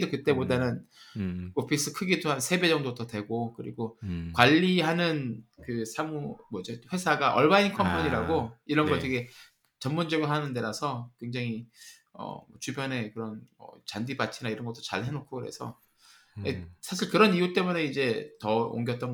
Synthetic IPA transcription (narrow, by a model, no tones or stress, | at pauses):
dokɯt͈e̞bodanɯn | kopʰis͈ɯkʰɯɡitʰoɦansʰe̞be̞d͡ʑʌŋdotʌtwe̞ɡokɯɾḭɡokwaʎːiɦanɯnkɯsʰamumʌd͡ʑʌɸwe̞sʰaɡaʔʌɭmainkʰʌmpʰoɲiɾaɡoiɾʌnɡʌt͈ʰeɡe | t͡ɕʌmmond͡ʑʌɡɾɦanɯnde̞ɾasʰʌkwe̞ŋd͡ʑaŋi | ʌ̰mʌt͡ɕubjʌne̞kɯɾʌnmʌ̰t͡ɕandibat͡ɕʰinaiɾʌnɡʌt͈ot͡ɕa̰ɭhe̞nokʰokɯɾe̞̰sʰʌ̰ | esʰaɕʰiɭkɯɾʌnijut͈e̞mune̞id͡ʑe̞tʌo̰ŋɡjʌt͈ʌn